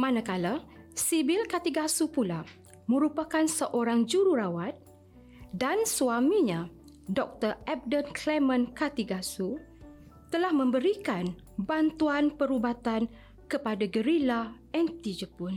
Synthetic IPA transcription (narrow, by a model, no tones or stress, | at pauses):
mãnãkalasibilkat̪iɡasupula | mə̃ɾupakansəʔoɾaŋd͡ʒuɾuɾawat̪̚ | dansuamĩɲã | dɔk̚t̪ərɛb̚dənkʰlɛmə̃nkat̪iɡasu | t̪əlahmə̃mbəɾikan | bant̪uanpəɾubat̪an | kəpadaɡəɾila | ɛnt̪id͡ʒəpun